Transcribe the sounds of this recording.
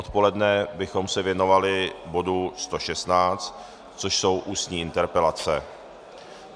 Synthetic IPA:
ʔot̪po̞lɛdnɛbɪxo̞msɛvjɛno̞valɪbo̞dust̪o̞ʃɛst̪naːt͡st̪ | t͡so̞ʃso̞wʔuːst̪ɲiːʔɪnt̪ɛɾpɛlat͡sɛ

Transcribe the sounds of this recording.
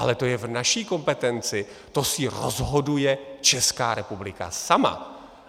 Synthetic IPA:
a̰lɛt̪o̞jɛvnaʃiːko̞mpɛt̪ɛnt͡sɪ | t̪o̞sɪɾo̰zɦo̞dujɛt͡ʃɛskaːɾɛpublɪka̰sama̰

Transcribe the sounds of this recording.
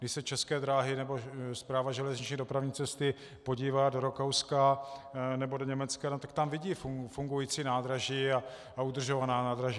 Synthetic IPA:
ɡdɪʃsɛt͡ʃɛskɛːd̪ɾaːɦɪnɛbo̞spɾaːvaʒɛlɛzɲɪt͡ʃɲiːdo̞pɾavɲiːt͡sɛst̪ɪ | po̞ɟiːvaːdo̞ɾokowska | nɛbodo̞ɲɛmɛt͡skanot̪ḁkt̪amvɪɟiːfufuŋɡujiːt͡siːnaːd̪ɾaʒiːa | aud̪r̩ʒo̞vanaːnaːd̪ɾaʒiː

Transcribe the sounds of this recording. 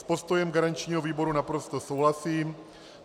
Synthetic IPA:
spo̞st̪o̞jɛmɡaɾant͡ʃɲiːɦoviːbo̞ɾunapɾo̞st̪osowɦlasiː

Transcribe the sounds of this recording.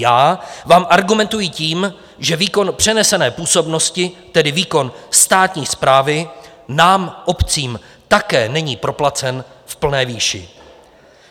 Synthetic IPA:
aːvaːmʔaɾɡumɛnt̪ujɪciːm | ʒɛviːko̞npr̝̥ɛnɛsɛnɛːpuːso̞bno̞scɪt̪ɛdɪviːko̞nst̪aːt̪ɲiːspɾaːvɪ | naːmʔopt͡siːm | t̪akɛːnɛɲiːpɾo̞plat͡sɛn | fpl̩nɛːviːʃɪ̰

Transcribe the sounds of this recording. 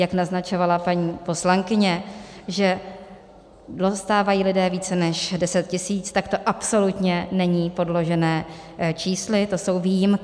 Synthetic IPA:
jaknaznat͡ʃo̞valapaɲiːpo̞slaŋkɪɲɛʒɛ | dost̪aːvajiːlɪdɛːviːt͡sɛnɛʃdɛsɛt̪cɪsiːt͡st̪akt̪o̞ʔapso̞lut̪ɲɛnɛɲiːpo̞dlo̞ʒɛnɛː | t͡ʃiːslɪt̪o̞so̞wviːjɪm

